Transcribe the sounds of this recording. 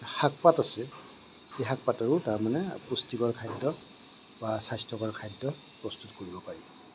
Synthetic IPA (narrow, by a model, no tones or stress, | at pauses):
hak̚patasɛ | ejɦak̚pataɹʊtaɹmanɛpustiɡɔɹkʰajdːɔ | basajstʰɔkɔɹkʰajdːɔ | pɹɔstutkoɹibɔpaɹibɔ